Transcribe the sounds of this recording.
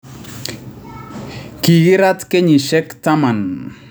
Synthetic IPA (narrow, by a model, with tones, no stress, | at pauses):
ki˨ɡi˦ɾa˦t̪ke˦ɲi˨ʃɛ˦kt̪a˦ma˨n